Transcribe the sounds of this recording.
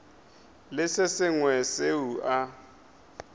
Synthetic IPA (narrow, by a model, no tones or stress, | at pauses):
lɪsɪsɪŋwɛseuʔa